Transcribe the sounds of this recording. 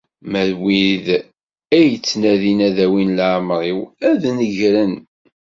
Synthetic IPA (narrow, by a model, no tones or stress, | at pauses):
mæðwið | æjət͡sːnæðinæðæwinlʕmɾˤiwæðnəʝɾən